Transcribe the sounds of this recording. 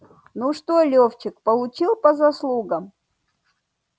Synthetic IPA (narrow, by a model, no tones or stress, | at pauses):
nuʂt̪olʲoft͡ɕɪk̚pəlˠʊt͡ɕilˠpəzɐslˠuɡəm